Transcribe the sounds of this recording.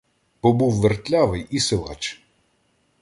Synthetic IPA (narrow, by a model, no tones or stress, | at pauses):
pɔbuwʋert̪ʲlʲaʋɪjisɪlˠɑ̰t͡ʃ